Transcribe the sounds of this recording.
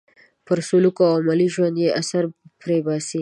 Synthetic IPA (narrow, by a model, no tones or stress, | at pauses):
pəɾsulukoawmaliʒwand̪jeʔasaɾpɾebɑsi